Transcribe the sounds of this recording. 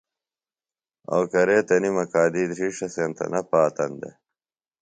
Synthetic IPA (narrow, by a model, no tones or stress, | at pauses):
o̰wkɐɾeːt̪ɐnimɐkaːd̪iːd̪ɾiːʂɐsent̪ɐ̰nɐpaːt̪ɐnd̪ḛ